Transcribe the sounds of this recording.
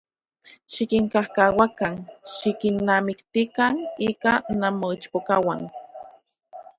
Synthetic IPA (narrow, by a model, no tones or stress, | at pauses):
ʃikiŋkahkawakanʃikinːamikt̪ikanikanamoit͡ʃpokawan